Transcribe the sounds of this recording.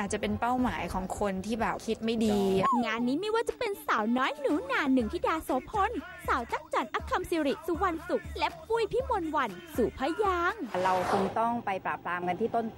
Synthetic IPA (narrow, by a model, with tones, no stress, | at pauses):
ʔa˨˩t̪̚t͡ɕa˨˩pe˧npa˥˩wmaː˩˦jkʰɔː˩˦ŋkʰo˧nt̪ʰiː˥˩bɛː˨˩p̚kʰi˦˥t̪̚ma˥˩jdiː˧ŋaː˧nːiː˦˥miː˧waː˥˩t͡ɕa˨˩pe˧nsaː˩˦wnɔː˦˥jnuː˨˩˦naː˧nɯ˨˩ŋt̪ʰiː˥˩daː˧soː˨˩˦pʰo˧˥n | saː˩˦wt͡ɕa˦˥k̚t͡ɕaː˨˩nʔa˧˥kʰa˧msiː˧ɾi˨˩t̪̚suː˨˦wa˧nsu˨˩k̚lɛ˦˥pu˧˩˨jpʰiː˥˩mo˧nwa˧nsuː˨˩pʰa˦˥jaː˧˥ŋɾa˧wtɯ˧ŋt̪ɔ˥˩ŋpa˧jpɾaː˨˩p̚ɾaː˧mka˧nt̪ʰiː˥˩t̪o˥˩nt̪